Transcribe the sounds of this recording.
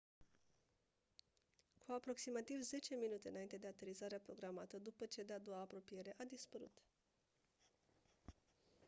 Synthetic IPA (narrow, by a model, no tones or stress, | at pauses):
kʰuapɾo̞ksimat̪ivze̞t͡ʃe̞minut̪e̞ɨnaint̪e̞d̪eat̪e̞ɾizaɾeapɾo̞ɡɾamat̪əd̪upət͡ʃe̞d̪ead̪oaːpɾo̞pije̞ɾe̞ʔad̪ispəɾṵt̪